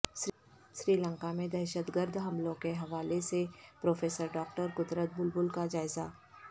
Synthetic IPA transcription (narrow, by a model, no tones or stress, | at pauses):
ʃ | ʃɾiːlə̃ŋkamẽd̪ɛɾʃət̪ɡəɾd̪ɦɐmlõkeɦɐʋaːlesepɾoːfeːsəɾɖɔːkʈəɾkʊd̪ɾət̪̚bʊlbʊlkad͡ʒaːɪzaː